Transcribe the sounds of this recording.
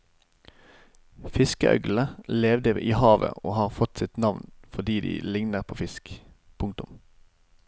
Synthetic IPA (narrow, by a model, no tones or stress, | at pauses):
fɪskəʔœ̰ɡl̩əleːʋd̪əʔiːhɑːʋə̰oːhɑːʁfɔt̪sɪt̪nɑʋnfɔʁd̪iːd̪ḭːlɪŋnəʁpʰoːfɪsk | pʰʊŋt̪ʊm